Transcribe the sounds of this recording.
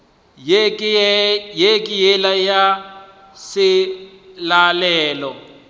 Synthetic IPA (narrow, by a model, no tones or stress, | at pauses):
jekʼɪjɛlaja | sɪ | lalɛːlɔ